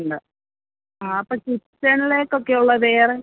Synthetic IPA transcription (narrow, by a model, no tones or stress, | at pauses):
ɳɖɨ | aːɐpːokisɐnileːkːo̞kːe̞uɭːɐʋeːre